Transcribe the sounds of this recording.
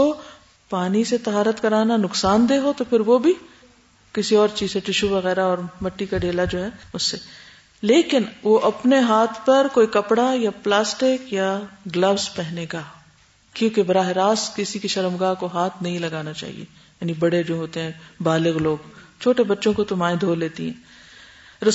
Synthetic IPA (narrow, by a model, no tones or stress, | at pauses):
o | paːniset̪ɐɦaːɾət̪kɐɾaːnanʊksaːnd̪eːɦot̪opʰɪɾʋobʱi | kɪsiɔːɾt͡ʃiːzeʈɪʃuʋɐɣɛːɾaɔːɾmɐʈːikaɖeːlad͡ʒoːɦɛːʊsːe | leːkɪnʋoʔɐpneɦaːt̪ʰpɐɾkoːikɐpɽajaplaːsʈɪkjaɡlɐʋspɛɦneːɡaː | kjõːkebɐɾaːɦɪɾaːst̪kɪsikiʃɐɾəmɡaːɦkoɦaːt̪ʰnɐɦĩlɐɡaːnat͡ʃa̰ːɦḭḛ | jaːnibɐɽed͡ʒoːɦoːt̪eɦɛ̃baːlɪɣloːɡt͡ʃʰoːʈebɐtːʃõkot̪omaːɪ̃d̪ʱoːleːt̪iɦɛ̰̃ː | ɾɐ